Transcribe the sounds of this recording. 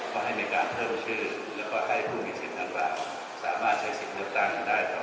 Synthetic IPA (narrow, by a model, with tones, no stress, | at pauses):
kʰɔː˥˩ha˥˩jnaː˧jkaː˧npʰɤː˥˩mt͡ɕʰɯː˥˩ | lɛː˦˥wkɔː˥˩ɦa˥˩jkʰuː˥˩miː˧si˨˩na˥˩ɾa̰ː˨˩ŋ | saː˩˦maː˥˩t̪̚t͡ɕʰa˦˥jsi˨˩t̪̚lɯ˥˩ək̚t̪a˥˩ŋa˧daː˥˩jkʰa˧˩